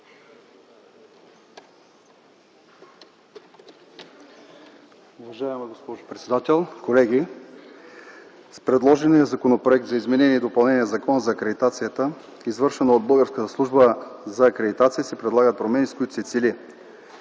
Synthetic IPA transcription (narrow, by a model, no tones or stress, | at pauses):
ʊvɐʒaɛmɛɡospɔʒopɾɛt̪sɛd̪at̪ɛlˠkolɛɡʲi | spɾɛd̪lˠɔʒɛnijəzɐkonopɾoɛk̚t̪zɐizmɛnɛniɛd̪opɐlˠnɛniəzɐkɔnəzɐːkɾɛd̪it̪at̪sijət̪ə | izvɤɾʃɛnɐod̪̚bɤlˠɡəɾskət̪əslˠuʒbəzɐːkɾɛd̪it̪at̪sijəsɛpɾɛd̪lˠaɡət̪̚pɾomɛniskoit̪o̥sɛt̪silʲi